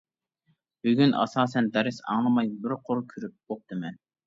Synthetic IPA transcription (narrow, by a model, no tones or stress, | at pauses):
byɡʲynʔɑ̰sɑːsɛnd̪ɛɾɪsɑ̰ŋlˠɨmɑjbɪɾqʰʊɾkʲʰyɾyp̚oq̚t̪ʰɨmɛn